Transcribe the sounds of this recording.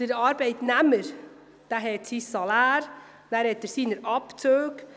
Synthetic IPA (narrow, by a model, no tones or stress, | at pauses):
əɾɑɾbɛɪtnɛməɾ | d̥æɦɛt̪sisɑlaːɾ | næɾhɛtːəɾsiːnəɾɑpt͡søːɡ